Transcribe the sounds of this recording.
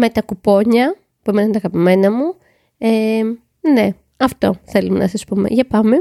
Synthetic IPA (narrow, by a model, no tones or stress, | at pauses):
met̪ɐkupo̞ɲɐ | puemenɐnt̪ɐɣɐpime̞nɐmu | e | ne̞ | ɐft̪o̞̰θe̞lumḛnʔɐ̰sɐspumḛʝɐpɐme